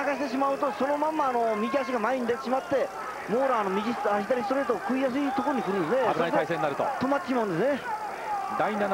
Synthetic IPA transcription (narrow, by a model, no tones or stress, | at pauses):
aɡaɕit̪e̞ɕ̬imaɯ̟t̪o̞so̞no̞mãmːaːno̞mʲiɡʲiaɕ̬iɡamaeɲ̟id̪e̞t̪eɕimat̪ːe̞ | moːɾaːno̞mʲiɡʲisaʑit̪aɾʲist̪oɾeːt̪okɯ̟ijas̬ɨit̪oko̞ɾoɲikɯɾɯnesneabɯaist̪aisẽninaɾɯ̟t̪o̰t̪o̞mat̪ːeɕimaɯ̃nd̪e̞sɨne | d̪ainan